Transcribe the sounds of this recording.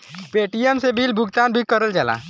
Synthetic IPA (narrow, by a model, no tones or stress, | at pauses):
peːʈijəmsebiːlbʱʊɡt̪aːnbʱikəɾəld͡ʒəla̰ː